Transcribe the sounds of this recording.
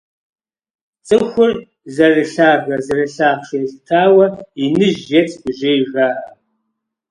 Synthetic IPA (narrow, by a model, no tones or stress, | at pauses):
t͡sʼɨxʷʊr | zɐrɨɬaːɣʷɐzɐrɨɬaːχʷʂɨɬtʰaːwɐinɨʒːet͡sʰʼbɨʒejʒʷaːra